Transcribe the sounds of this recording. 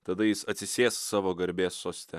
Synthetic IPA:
t̪ɐd̪ɐjɪsɐt̪ʲsʲɪsʲeːssɑːʋoːɡɐɾʲbʲeːsːoːsʲt̪ʲɛ

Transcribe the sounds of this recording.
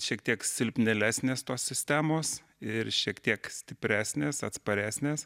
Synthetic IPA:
ʃʲiɛkt̪ʲiɛksʲɪlʲpʲnʲɛlʲæːsʲnʲeːst̪oːssʲɪsʲt̪ʲæːmoːs | ɪɾʃʲiɛkt̪ʲiɛksʲt̪ʲɪpʲɾʲæːsʲnʲeːsɐt̪spɐɾʲæːsʲnʲeːs

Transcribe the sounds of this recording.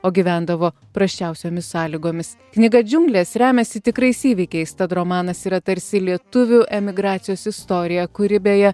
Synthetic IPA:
oːɡʲiːʋʲænd̪ɐʋoː | pɾɐsʲt͡ʃʲɛˑʊsʲoːmʲɪsːɑːlʲiɡoːmʲɪs | knʲɪɡɐd͡ʒʲʊŋɡlʲeːsɾʲæːmʲɛsʲɪt̪ʲɪkɾɐɪsiːʋʲɪkʲɛɪst̪ɐt̪ɾomɑːnɐsiɾɐt̪ɐɾʲsʲɪlʲiɛt̪ʊʋʲuʔɛmʲɪɡɾɑːt̪sʲɪjoːsɪst̪oːɾʲɪjɛkʊɾʲɪbʲeːjɛ

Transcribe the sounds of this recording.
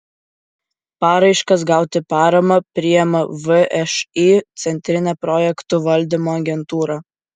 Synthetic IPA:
pɑːɾɐɪʃkɐsɡɑˑʊt̪ʲɪpɑːɾɐmɐpʲɾʲɪjɛmɐʋɨʔɛʃit̪sʲɛnʲt̪ʲɾʲɪnʲɛpɾɔːjɛkt̪ʊʋɐlʲd̪ʲɪmoːɐɡʲɛnt̪uːɾɑː

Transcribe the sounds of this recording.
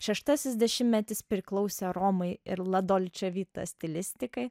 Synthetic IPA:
ʃʲɛʃt̪ɐsʲɪsʲd̪ʲɛʃʲɪmʲmʲɛt̪ʲɪspʲɾʲɪklˠɒʊsʲɛɾɔmɐɪɪɾlˠɐd̪oːlʲt͡ʃʲɛʋʲiːt̪ɐ̰sʲt̪ʲɪlʲɪsʲt̪ʲɪkɐɪ

